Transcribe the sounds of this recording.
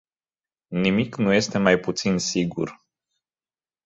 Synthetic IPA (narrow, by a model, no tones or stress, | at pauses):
nimiknuje̞st̪e̞majput̪sinsiɡṵr